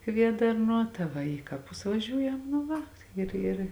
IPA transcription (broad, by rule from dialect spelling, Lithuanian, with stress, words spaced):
ˈkʋʲiɛdɐrˌnuɔ tɐ ˈʋɐ ˈiː kɐˌpʊs ʋɐˈʒʲuːjɛm nʊ ˈʋɐ ˈɪr ɪr